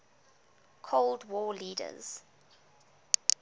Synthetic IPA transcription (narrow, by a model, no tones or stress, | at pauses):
kʰoldwɔːliːdə̰z̥